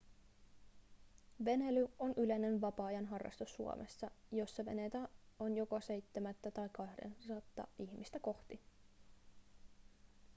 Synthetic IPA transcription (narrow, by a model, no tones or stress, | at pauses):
ʋe̞nelyo̞nʔyle̞ne̞nʋɑpɑːjɑnɦɑrːɑ̰st̪usːuo̰mʔḛsːɑjo̞sːɑʋe̞̰net̪æonjo̞kose̞jt̪ːemæt̪ːæt̪ɑjkɑhdḛnsɑt̪ːɑ̰içmist̪æko̞xt̪i